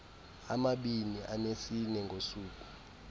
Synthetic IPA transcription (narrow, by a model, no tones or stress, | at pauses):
a̰maɓiniʔanesinɛŋɡʱosuːk̬ʼu̥